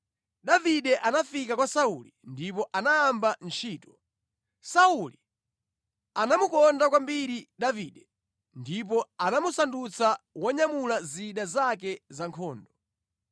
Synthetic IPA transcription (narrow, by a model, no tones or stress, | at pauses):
ɗaviɗɛʔanafikakwasaulindipɔʔanaaːmbant͡ʃʰiːtɔ̥ | sauli | anamukɔndakwambiɾiɗaviɗɛ | ndip̬ɔanamusandut͡sawaɲamulaziɗazak̬ɛzaŋkʰɔːndɔ